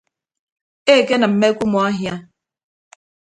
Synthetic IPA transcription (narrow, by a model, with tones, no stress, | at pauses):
e˦˨ke˦na˨m̩˦me˦kʷu˦mu˨a˦ɦja˦